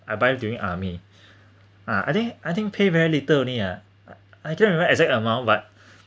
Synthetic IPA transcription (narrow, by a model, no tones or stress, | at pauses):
ʔajbaɪduĩŋʔa̰mi | aa̰jt̪ĩŋkʔajt̪ĩŋkpʰevɛɹilitəlonia | ajkɛ̃nɹɛ̃məɛɡzɛk̚təmãʊn̚bat̚